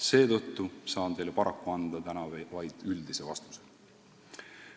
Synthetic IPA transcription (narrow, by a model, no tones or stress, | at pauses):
se̞ːt̪ɤ̞t̪ːusɑːnt̪e̞jlepɑɾɑkːˑuɑnd̪̥ɑt̪ænɑvɑjd̪̥yld̪̥ise̞vɑst̪u̥se̥